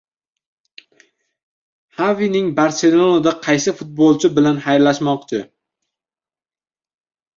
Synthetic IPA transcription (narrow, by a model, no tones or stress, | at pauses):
havinɪŋbaɾse̞lolˠad̪aqʰɑjsɪfʊt̪̚bolˠt͡ʃʰɪbɪlanhajɾlaʃmɒqt͡ʃʰɪ